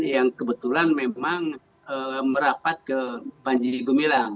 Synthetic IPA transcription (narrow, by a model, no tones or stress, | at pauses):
jaŋkəbət̪ulanmemaŋ | əməɾapat̪̚kəbaɲd͡ʒiɡumilaŋ